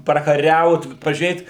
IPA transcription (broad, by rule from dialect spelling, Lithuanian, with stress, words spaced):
prɐkɐˈrʲɛʊt pɐʒʲuːˈrʲeːt